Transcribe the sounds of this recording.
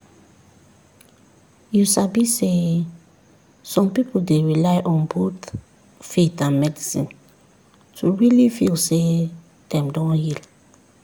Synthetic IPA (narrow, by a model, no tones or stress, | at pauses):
jusabise | sɔ̃mpipoldeɹilajʔɔ̃nbut | fitãnmɛdisḭ̃n | tʰuɹilifilse | d̪̥ɛ̃mdɔ̃nhil